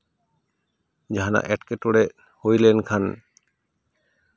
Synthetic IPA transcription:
d͡ʑaɦana̰ʔɛʈkeʈoɽe | hojlenkʰan

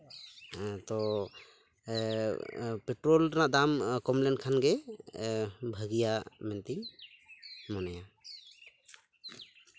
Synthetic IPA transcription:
t̪ɔ | pɛʈɾɔlɾnaʔd̪amkɔmlɛnkʰanɡɛ | bʱəɡijamɛnt̪i | mɔnɛja

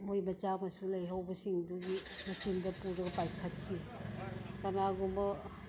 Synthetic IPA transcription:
mojmɐt͡ʃamɐsulɐjɦawbɐsiŋduɡimɐt͡ʃindɐpuɾɐɡɐpajkʰɐt̚kʰi | kanaɡumɐ

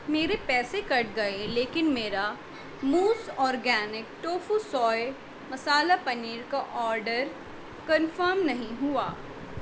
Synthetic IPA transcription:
meːɾepɛːsekɐʈɡɐeleːkɪnmeːɾa | muːsɔːɾɡɛːnɪk̚ʈoːfusɔːj | mɐsaːlapɐniːɾkaʔɔːɾɖəɾ | kɐ̃nfəɾmnɐɦĩɦʊaː

